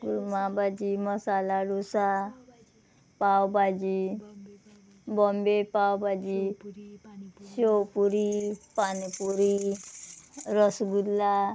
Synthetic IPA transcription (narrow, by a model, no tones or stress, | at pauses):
ɡuɾmabad͡ʑiməsalaɾusa | pawbad͡ʑi | bɔmbepawbad͡ʑi | ɕowpuɾipanipuɾi | ɾəsɡudla